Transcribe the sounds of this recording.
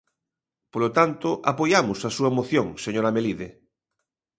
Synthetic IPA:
polot̪ant̪ʊʔapojamʊsasuɐmoθjoŋseɲoɾɐmeliðe

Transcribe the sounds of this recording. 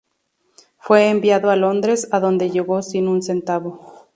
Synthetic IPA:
fwe̞ːmbjaðoalo̞nd̪ɾe̞saðo̞nd̪e̞ʝe̞ɣo̞sinunse̞nt̪aβo̞

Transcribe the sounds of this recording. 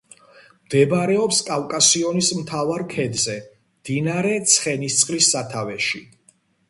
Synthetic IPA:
md̪̥ɛbaɾɛɔpskʼavkʼasiɔnismt̪ʰavaɾkʰɛd̪zɛ | md̪̥inaɾɛt̪sʰχɛnist̪sʼχʼlisːat̪ʰavɛʃi

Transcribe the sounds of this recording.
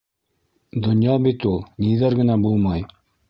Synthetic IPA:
d̪ŏnjɑbit̪ulˠniðɘɾɡɘ̆næbulˠmɑj

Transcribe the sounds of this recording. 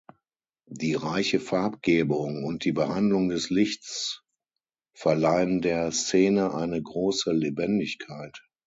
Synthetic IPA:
d̥iːʁaɪçəfaɐp̚ɡ̥eːbʊŋʊnt̚d̥iːbəhandlʊŋdɛslɪçt͡s | fɛɐlaɪəndeːɐst͡seːnəʔaɪnəɡʁoːsəlebɛndɪçkʰaɪt

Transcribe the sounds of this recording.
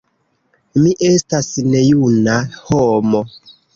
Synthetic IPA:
miʔestasinɛjunahɔmɔ

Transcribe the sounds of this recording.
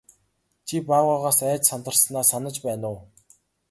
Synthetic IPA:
t͡ɕʰipaːwaʁaːsæːt͡ɕsam̥t̪ə̆rsnaːsanə̆t͡ɕpæːnʊː

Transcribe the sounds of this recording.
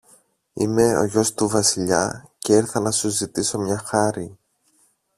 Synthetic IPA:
ime̞o̞̰ʝo̞st̪uvɐsiʎɐ̰ce̞iɾθɐnɐsuzit̪iso̞mɲɐxɐɾi

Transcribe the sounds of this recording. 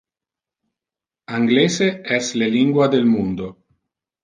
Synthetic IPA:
aŋɡleːseɛsleliŋɡwad̪elmund̪o

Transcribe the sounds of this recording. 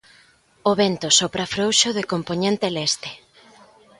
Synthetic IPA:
oβent̪osopɾafɾowʃoðekompoɲẽnt̪elɛst̪e̥

